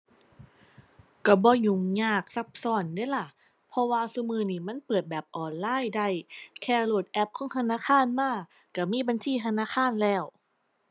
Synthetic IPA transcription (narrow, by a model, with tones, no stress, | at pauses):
ka˧˩bɔː˧ɲu˧˩ŋɲaː˧˩k̚sa˧˥p̚sɔː˧˩ndaː˧˥˨la˧˩ | pʰɔ˧waː˧su˧mɯː˧˩niː˧˩ma˧˥˨npɤː˨˩t̪̚bɛː˨˩p̚ʔɔː˨˩nlaː˧˥˨jda˧˩˨jkʰɛː˧˩loː˨˩t̪̚ʔɛ˧˩p̚kʰɔː˧˥ŋt̪ʰa˧naː˧˥˨xaː˧˥˨nmaː˧˥˩ | ka˧˩miː˧˥˨ba˧˨nsiː˧˨t̪ʰa˧naː˧˨xʰaː˧˥˨nlɛː˧˩w